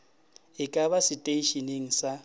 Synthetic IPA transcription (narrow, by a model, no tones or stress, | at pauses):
ɪkʼaβasɪtʼeiʃineŋ̩sa